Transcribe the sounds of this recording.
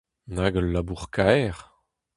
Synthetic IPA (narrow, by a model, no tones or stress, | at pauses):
naɡəlːabuʁkʰaɛʁ